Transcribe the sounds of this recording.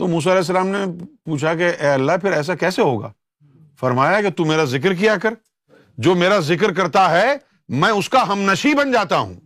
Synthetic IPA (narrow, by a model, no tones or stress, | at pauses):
t̪omuːs̬aɐlɛːs̬ːɐlaːmnepuːt͡ʃʰakeʔɛːɐlːaɦpʰɪɾɛːs̬akɛːseɦoːɡa̰ː | fɐɾmaːjaket̪ũmeːɾazɪk̬ɾk̬ijakɐɾ | d͡ʒoːmeːɾazɪk̬ɾk̬ɐɾt̪aɦɛ | mɛ̃ːʊskaɦɐmnɐʃibɐnd͡ʒaːt̪aɦṵ̃ː